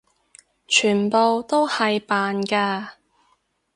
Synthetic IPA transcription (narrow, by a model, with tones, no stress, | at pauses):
t͡ʃʰyː˨˩npo˨wt̪o˥whɐ˨jpaː˨nkaː˧